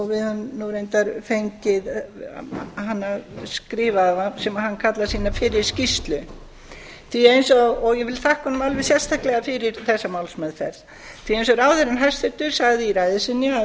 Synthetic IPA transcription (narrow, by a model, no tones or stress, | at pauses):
ɔɣvɪðhœmnuɾejnt̪aɾfejɲcɪð | hanːaskɾɪːvavasɛmaðhanːkʰat̪lasiːnafɪɾɪɾ̥scist̪lʏ | θiejnsɔɣɔɣjɛvɪlθahkhɔnʏmalvɛðsjɛrst̪ʰahklɛɣafɪɾɪɾθɛsːamawlsmɛðfɛ̰ɾð | θʰiẽjnsɔɾaːwθɛɾɪnɦast̪ʏt̪ʏɾ̥saɣðɪiɾajðɪsɪnːja